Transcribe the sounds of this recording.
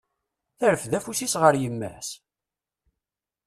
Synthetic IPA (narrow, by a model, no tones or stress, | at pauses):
θæɾəfðæfusisʁəɾjəmːæ̰s